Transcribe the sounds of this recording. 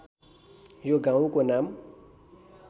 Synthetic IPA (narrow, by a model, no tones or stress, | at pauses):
joɡãwukonam